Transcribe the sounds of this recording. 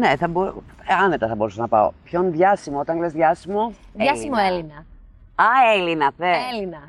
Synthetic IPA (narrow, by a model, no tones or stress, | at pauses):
neθɐboɐne̞t̪ɐθɐbo̞ɾusɐnɐpɐ̰o̰pçonðʝɐsimoot̪ɐŋlezðʝɐsimo̞ | jɐsimoelinɐ | ɐelinɐθeelinɐ